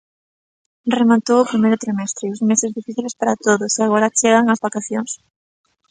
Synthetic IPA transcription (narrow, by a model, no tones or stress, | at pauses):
remat̪owʊpɾimejɾʊt̪ɾimɛst̪ɾɪʊzmesɪzðifiθilespaɾat̪oðʊseaɣ̞oɾɐt͡ʃeɣaŋɐzβakaθjoŋs